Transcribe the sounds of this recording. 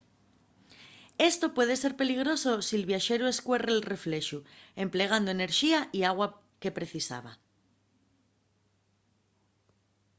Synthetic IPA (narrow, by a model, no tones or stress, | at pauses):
e̞st̪o̞pwe̞ð̞e̞se̞ɾpe̞liɣ̞ɾo̞so̞sielβ̞jaʃe̞ɾue̞skwe̞reːlre̞fle̞ʃue̞mple̞ɣ̞and̪o̞ene̞ɾʃiaʔiaɣwa | ke̞pɾe̞θisa̰βa̰